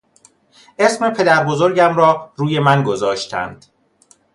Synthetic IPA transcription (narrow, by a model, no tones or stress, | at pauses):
e̞sme̞pʰe̞d̪æɾbo̞zo̞ɾɟæmɾɒːɾuːje̞mænɡo̞zɒːʃt̪ʰæ̰nd̪̥